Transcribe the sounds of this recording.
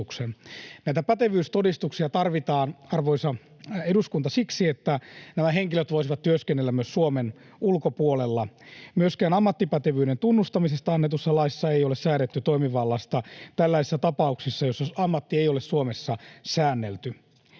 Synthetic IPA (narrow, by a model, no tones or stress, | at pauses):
uksennæit̪æpæt̪eʋyːst̪odist̪uksiɑt̪ɑrʋit̪ɑːnɑrʋoisɑ | eduskunt̪ɑsiksiet̪ːænæmæɦeŋkiløt̪ʋoisiʋɑt̪t̪yøskenːelːæmmyøssuomen | ulkopuolelːɑmyøskæːnɑmːɑt̪ːipæt̪eʋyːɾent̪unːust̪ɑmisest̪ɑɑnːet̪usːɑlɑissːɑeijolessæːnet̪ːyt̪oimiʋɑlːɑst̪ɑt̪ælːæisesːæt̪ɑpɑuksisːɑjosːɑɑmːɑt̪ːiejolessuomesːɑsæːnːelt̪y